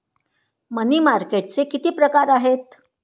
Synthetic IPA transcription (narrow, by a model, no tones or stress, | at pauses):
məniːmaɾkeʈ̚t͡sekit̪iːpɾəkaɾaɦet̪̚